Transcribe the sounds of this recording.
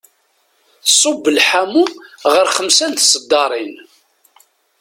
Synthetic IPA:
θsˤobːəlħamuʁəɾχəmsænt̪sˤəd̪ːɑɾˤin

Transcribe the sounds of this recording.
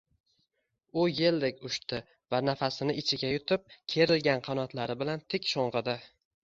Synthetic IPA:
ʊje̞ld̪ekʲʊʃt̪ɪ | vanafasɪnɪɪt͡ʃʰɪɡʲajʊt̪ʰɪp̚kʲʰe̞ɾɪlɡʲanqʰɑnɒt̪laɾɪbɪlant̪ʰɪkʲʃoɴʁɨd̪ɪ

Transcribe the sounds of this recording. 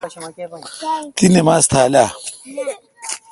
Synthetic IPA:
t̪inimaːst̪ʰaːla

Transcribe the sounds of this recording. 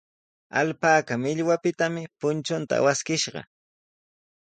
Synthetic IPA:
a̰lpaːkamɪʎwapɪt̪amɪpʊnt͡ʃʊnt̪a̰waskɪʃɢɑ̰

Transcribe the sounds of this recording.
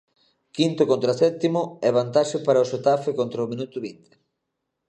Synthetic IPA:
kint̪ʊkont̪ɾasɛt̪imʊɛβant̪aʃɪpaɾɐoʃet̪afɪkont̪ɾaomĩnut̪ʊβint̪ɪ̥

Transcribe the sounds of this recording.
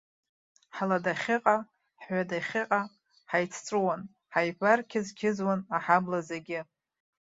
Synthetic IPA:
ħaladaχʲɪqʼa | ħʷadaχʲɪqʼa | ħajt͡sʰt͡sʷʼɨwan | ħajbarkʲʰɪzkʲʰɪzwanaħablazeɡʲɪ

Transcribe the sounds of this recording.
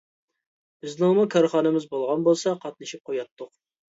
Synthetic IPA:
bɪznɪŋmukʰɑɾχɑːnɨmɪzbolˠʁɑnbolˠsɑqʰɑt̪̚nɨʃip̚qʰojɑt̪ʰːʊq̚

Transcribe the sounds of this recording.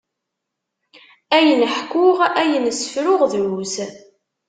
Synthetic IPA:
æjənəħkːʊʁæjənsfɾʊʁðɾuz

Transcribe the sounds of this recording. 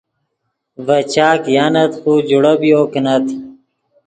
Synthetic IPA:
ʋɐt͡ɕaːkjaːnɐt̪xuːd͡ʑuɽɐbioːknɐt̪ʰi

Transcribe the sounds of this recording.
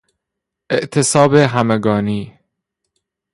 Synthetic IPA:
ʔeʔt̪ʰesɒːbeɦæmeɡɒːniː

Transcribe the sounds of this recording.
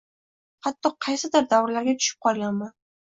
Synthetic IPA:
χɑt̪ːɒqʰɑjsɪd̪ɪɾd̪awɾlaɾɡʲat̪ʰʊ̥ʃɪ̥p̚qʰɒlˠɡʲanman

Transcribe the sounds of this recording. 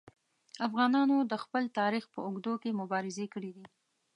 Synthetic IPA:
afɣɑnɑnod̪əxpəlt̪ɑɾixpəʊɡd̪okemʊbɑɾɪzekəɽid̪i

